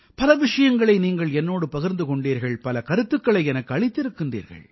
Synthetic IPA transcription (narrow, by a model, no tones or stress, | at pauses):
pɐlɐʋɪʂɐjɐŋɡɐɭɐɪniːŋɡɐɭɛnːoːɽɯpɐɣɪɾnd̪ɯkɔɳɖiːɾɣɐɭpɐlɐkɐɾɯt̪ːɯkːɐɭɐɪɛnɐkːɯɐɭɪt̪ːɪɾɯkːɪndrḭːɾɣɐ̰ɭ